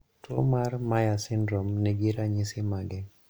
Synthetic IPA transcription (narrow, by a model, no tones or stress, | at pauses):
to̰marmajasɪndɾɔmnɛɡiɾaɲɪsɪmaɡɛ